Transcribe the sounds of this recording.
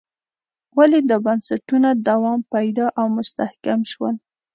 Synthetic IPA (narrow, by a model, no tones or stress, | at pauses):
waled̪əbansaʈunad̪awɑmpajd̪ɑʔawmʊst̪ahkamʃwəl